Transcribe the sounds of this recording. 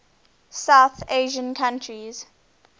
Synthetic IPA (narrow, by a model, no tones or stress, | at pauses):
saʊθeːʒə̃nkʰãntʰɹiz̥